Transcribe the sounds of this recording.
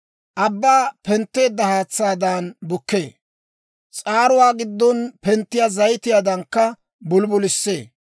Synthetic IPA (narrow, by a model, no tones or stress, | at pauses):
ʔɐbːaːpɛnt̪ːe̞ːd̪ːɐhaːt͡sːaːd̪anbʊkːe̞ː | t͡sʼaːɾʊwaːɡɪd̪ːɔnpɛnt̪ːɪjazɐjt̪ɪjaːd̪ɐŋkːɐ | bʊlbʊlɪsːe̞ː